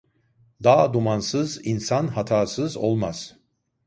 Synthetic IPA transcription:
d̪aːd̪umansɯzinsanhat̪ʰaːsɯzo̰lˠmaz̥

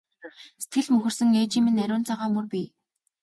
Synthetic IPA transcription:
se̥t̪ɡɘ̆ɮmɵxɵ̆r̥sɘ̆ŋeːt͡ɕiːmĕnːæɾʲʊːnt͡sʰaʁaːmɵrpʲiː

